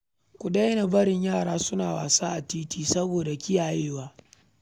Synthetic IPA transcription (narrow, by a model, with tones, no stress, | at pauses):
kʷʊ˨da˦jna˨bɐ˦ɽɪ˨ɲjaː˦˨ɽaː˦sʊ˦naː˨wa̰ː˨saː˦ʔa˨tiː˦tiː˦sɐ˦boː˨da˨kʲɪ˦jaː˨jeː˦waː˦